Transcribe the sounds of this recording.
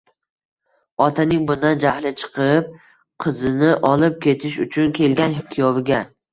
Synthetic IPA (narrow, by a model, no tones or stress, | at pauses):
ɒt̪ʰanɪŋbʊnd̪and͡ʒahlɪt͡ʃʰɨ̥qʰɨp̚ | qʰɨzɪnɪʔɒlˠɪp̚kʲʰe̞t̪ʰɪʃ̬ʊt͡ʃʰʊnkʲʰe̞lɡʲanhɪkʲʰːijɒvɪɡʲa